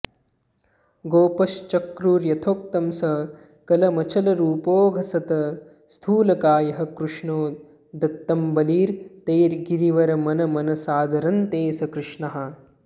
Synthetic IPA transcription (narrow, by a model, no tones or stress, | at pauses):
ɡoːpɐst͡ʃɐkɾuːɾjɐt̪ʰoːk̚t̪ɐmsɐ | kɐlɐmɐt͡ʃʰɐlɐɾuːpoːɡʱɐsɐt̪ɐ | st̪ʰuːlɐkaːjɐɦɐ̆kɾuʂɳoː | d̪ɐt̪ːɐmbɐliːɾt̪eːɾɡiɾiʋɐɾɐmɐnɐmɐnɐsaːd̪ʱɐɾɐnt̪eːsɐkɾɪʂɳɐɦɐ